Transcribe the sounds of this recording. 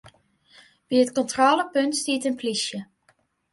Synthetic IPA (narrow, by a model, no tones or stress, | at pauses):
b̥iətkɔntrɔːləpɵntstiːtənplisjə